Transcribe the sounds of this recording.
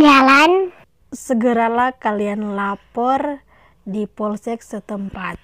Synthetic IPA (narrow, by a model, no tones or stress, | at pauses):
d͡ʒalan | səɡəɾalahkalianlapɔr | dipɔlsɛk̚sət̪əmpat̪̚